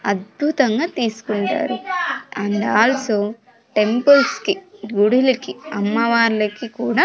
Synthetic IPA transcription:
ɐd̪̚bʱut̪ɐŋɡaːt̪iːsu̥kuɳʈa̰ːɾuɐɳɖ̪aːlɐsoː | ʈe̞mpɐlskiɡuɽilɐkiɐmːɐʋaːɾlɐkikuːɽaː

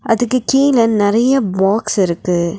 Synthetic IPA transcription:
ʔɐðɯkːɯkiːlɐnnɪɾɐjɐbaːksɪɾɯkːɯ

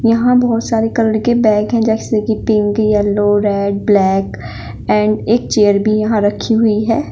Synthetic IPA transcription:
jɐɦãbɔːt̪saːɾekɐlɽkebɛ̃ːkɦɛ̃d͡ʒɛːkɪsekipɪ̃ŋɡjɛlːoɾɛːɖ̚blɛːk | ɛ̃ːɳɖeːk̚t͡ʃeːəɾbʱijɐɦãɾɐkʰiɦʊiɦɛː

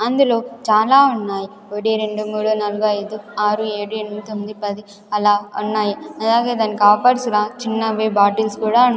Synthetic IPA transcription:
ɐnd̪ulo̞ːt͡ʃaːlaːunːaːji | oɽiɾe̞ɳɖumuːɽunɐluɡɐjd̪uaːɾue̞ːɽueɳit̪o̞mːid̪ipɐd̪i | ɐlaːunːaːjiɐlaːɡe̞ːd̪aːnːikaːpaːɽusulaːt͡ʃinːɐʋeːbaːʈilskuːɽaːu

